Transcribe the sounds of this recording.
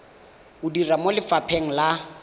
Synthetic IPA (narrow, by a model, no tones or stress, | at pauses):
ʊdiramolɪfapʰeŋ̩la